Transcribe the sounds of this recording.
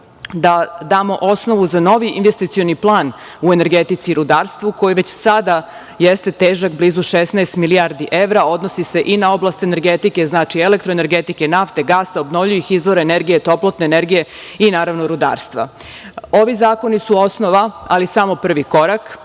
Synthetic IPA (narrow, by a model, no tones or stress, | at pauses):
d̪ad̪aːmo̞ʔo̞sno̞ʋuzano̞ʋiʔinʋest̪it̪sijoniplˠaːn | uene̞ɾɡet̪it̪siɾud̪aːɾst̪ʋuko̞jiʋet͡ɕsad̪a | jest̪e̞t̪eːʒakbliːzuʃesnɛest̪miliaɾd̪iʔeʋɾao̞d̪nosise̞ʔinao̞blˠast̪ene̞ɾɡet̪ike̞znaːt͡ʃielek̚t̪ɾoene̞ɾɡet̪ike̞naft̪e̞ɡaːsaobnoʋʎujixizʋo̞ɾeːneɾɡije̞t̪o̞plˠot̪neːneɾɡije̞ | inaːɾaʋnoɾud̪a̰ːɾst̪ʋa̰ | o̞ʋizaːko̞nisuo̞snoʋaalisamo̞pr̩ʋiko̞ɾak